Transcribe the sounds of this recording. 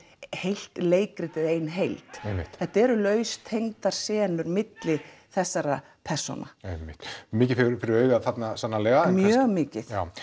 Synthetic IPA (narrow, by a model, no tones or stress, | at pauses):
hejl̥t̪leːjkɾɪt̪ɪðejnɦejlt̪emːɪ̰t̪θɛht̪ɛɾʏlœːɥst̪ʰejŋt̪aɾ̥sɛːnʏɾmɪt̪lɪ | θɛsːaɾa | pʰɛr̥sɔ̰na̰ejmːɪht̪mɪːcɪfɪɾfɪɾɪɾœɥɣaðθat̪nasanːalɛːɣamjœːɣmɪːcɪθjaːw